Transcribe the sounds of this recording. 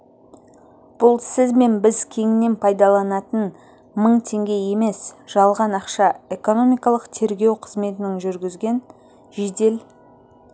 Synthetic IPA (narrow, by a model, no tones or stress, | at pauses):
b̥ʊlˠsɪzme̞nbɪzkʲʰe̞ŋɪne̞npʰɑjd̪ɑlˠɑnɑt̪ən | məɴt̪ʰe̞ŋɡʲe̞je̞me̞sʒ̥ɑlˠʁɑnɑqʃɑe̞ko̞no̞mijkɑlˠəqt̪ʰe̞ɾɡʲe̞wqʰəzme̞t̪ɪnɪŋʒʏɾɡʲɪzɡʲe̞n | ʒed̪e̞l